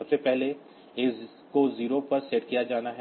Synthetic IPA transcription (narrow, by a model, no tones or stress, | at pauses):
ɐb̥sepɛɦle | eː | koziːɾopɐɾseːʈkijad͡ʒaːnaɦɛ